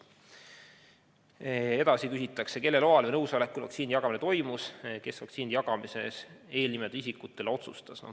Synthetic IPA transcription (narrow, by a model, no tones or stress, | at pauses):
e̞d̪̥ɑsikysit̪ːˑɑkse̞ke̞lːe̞lo̞ɑlvejnɤwsɑlekːˑulvɑ̰k̪sinjɑɡ̥ɑminet̪o̞jmuske̞svɑksiːnjɑɡ̥ɑmise̞se̞ːlnimed̪̥is̬ʲikːˑut̪ːˑe̞leo̞t̪sust̪ɑsno̰